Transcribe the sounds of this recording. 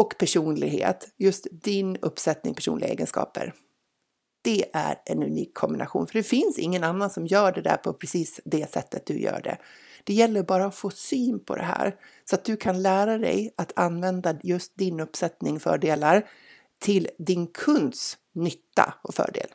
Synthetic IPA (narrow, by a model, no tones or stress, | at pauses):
ɔkpʰæʂuːnlɪɡɦḛːt̪jɵst̪d̪ɪnɵpːsɛt̪nɪ̰ŋpʰæ̥ʂṵːnlɪɡaḛːɡənskɑ̰ːpə̰ɾ | d̪̥ɛʔæ̰ɾʔɛnʉniːkʰːɔmbɪnʔa̰ɧṵːnfœəɖɛfɪnsɪ̰ŋːənanːansɔmjœːɖɛd̪æ̰ɾpʰɔpʰɾɛsiːsd̪ɛsɛ̰t̪ːət̪̚d̪ɵjœ̰ːɖɛ̰ | d̪̥ɛjɛlːəɾbɑːɾaɔfoːsyːnpʰɔ̰d̪ɛ̰ɦæ̰ːɾsɔat̪̚d̪ɵkʰanlæːɾad̪ɛ̰jat̪ʰanːvɛnd̪ajɵst̪̚d̪ɪnɵpːsɛt̪nɪŋfœ̰ːɖeːlaɾ | t̪ʰɪld̪ɪnkʰɵnd̪s | nʏt̪ːa̰ɔfœ̰ːɖḛːl